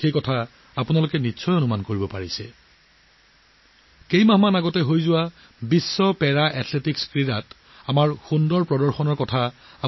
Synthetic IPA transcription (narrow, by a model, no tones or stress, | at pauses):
xejkɔtʰa | apʊnalʊkɛnitːsʰɔjonumankoɹibɔpaɹisɛ̰ | kejmaɦmanaɡɔtɛɦojzʊwa | bisːɔpɛɹaʔɛtʰletikskɹiɹat | amaɹxundɔɹpɹɔdɔɹxɔnɔɹkɔtʰaa